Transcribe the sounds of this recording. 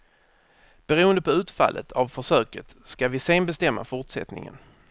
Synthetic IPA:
b̥ɛɾuːənd̪əpʰɔʉ̟ːt̪fa̰lːʔə̰t̪ʰavfœʂœːkət̪skavɪseːnbɛst̪ɛmːa̰fʊʈʂɛ̰t̪nɪ̰ŋə̰n

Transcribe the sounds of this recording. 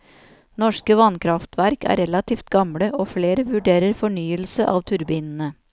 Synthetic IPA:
nɔʂkəʋɑnkʰɾɑft̪ʰʋæɾkæ̰ːɾɛlɑt̪ʰiːft̪ɡɑmɽəʔoːfɽeːɾəʋʉɖeːɾəɾfɔɳyːəlsəʔɑːʋt̪ʰʉɾbiːnn̩ə

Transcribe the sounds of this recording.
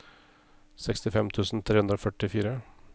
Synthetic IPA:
sɛkst̪ɪfɛmt̪ʰʉːsn̩t̪ʰɾeːhʉnd̪ɾoːfœʈɪfiːɾə

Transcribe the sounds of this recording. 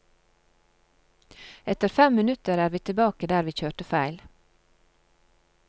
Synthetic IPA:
ɛt̪əɾfɛmmɪnʉt̪əɾæːɾʋiːt̪ʰɪlbɑːkəd̪æːɾʋiːc͡çøːʈəfæɪl

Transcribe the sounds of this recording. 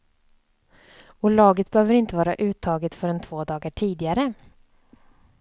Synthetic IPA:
ɔlɑːɡət̪̚bəɛhøːvəɾɪnt̪əvɑːɾaʔʉ̟ːt̪ʰɑːɡət̪fœɾɛnt̪ʰv̥oːd̪ɑːɡəʈʰiːd̪ɪaɾə

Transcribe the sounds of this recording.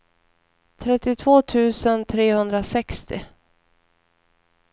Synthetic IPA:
t̪ʰɾɛt̪ːɪt̪ʰvoːt̪ʰʉ̟ːsənt̪ʰɾeːhɵnd̪ɾasɛkst̪ɪ̰

